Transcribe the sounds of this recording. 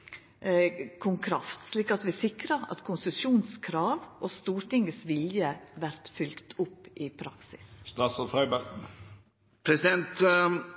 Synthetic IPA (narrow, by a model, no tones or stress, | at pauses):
kʰʊŋkʰɾɑft̪sliːkɑt̪ʋɪsɪkɾəɑ̰t̪kʰʊnsəsjuːnskʰɾɑːʋʔost̪uːɾʈ̪ɪŋəsʋɪljəʋæɾt̪fʏlkt̪ʰʊpːʔɪpʰɾɑksɪsst̪ɾɑːsɔfɾœbæɾ | pʰɾɛsɪd̪ɛnt̪